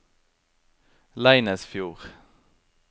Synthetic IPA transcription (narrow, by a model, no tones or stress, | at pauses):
læɪnəsfjuːʁ